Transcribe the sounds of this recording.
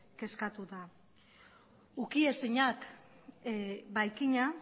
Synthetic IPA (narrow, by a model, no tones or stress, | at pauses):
ke̞skat̪uða | ukiesiɲak | bajkiɲa